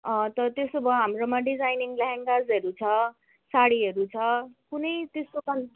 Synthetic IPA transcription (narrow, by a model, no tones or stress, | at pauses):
ʌ̃t̪ʌt̪esobʱʌɦamromãɖid͡zajniŋlaɦaŋɡazʌɾut͡sʰʌ | saɽiɦʌɾut͡sʰʌkunʌjt̪eskokan